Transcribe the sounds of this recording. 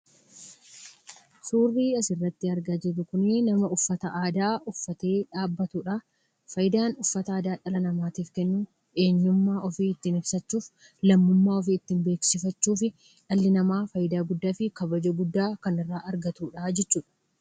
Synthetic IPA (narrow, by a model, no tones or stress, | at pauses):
suːrːiːɐsɪrːɐt̪ːɪɐɾɡaːd͡ʒɛrʊkʊnɪnɐmɐʊfːɐt̪ɐʔaːd̪aːʔʊfːɐt̪e̞ːᶑaːbːɐt̪uːᶑaː | fɐjɪd̪aːnʊfːɐt̪ɐaːd̪aːᶑɐlɐnɐmaːt̪iːfkɛnːuː | e̞ːɲːʊmːaːʔɔfiːɪt̪ːiːnɪbsɐt͡ʃːuːf | lɐmːʊmːaːɔfiːɪt̪ːiːmbe̞ːksɪfɐt͡ʃːuːfɪ | ᶑɐlːɪnɐmaːfɐjɪd̪aːɡʊd̪ːaːfɪkɐbɐd͡ʒoːɡʊd̪ːaːkɐnɪrːaːʔɐɾɡɐt̪uːᶑaːd͡ʒɛt͡ʃːuːᶑɐ̥